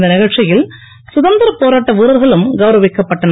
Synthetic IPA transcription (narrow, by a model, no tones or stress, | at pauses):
d̪ɐnɪɣɐɻt͡ʃɪjɪl | sʊðɐnd̪ɐɾɐpoːɾaːʈːɐʋiːɾɐɾɣɐɭɯmɡɐʋɾɐʋɪkːɐpːɐʈːɐn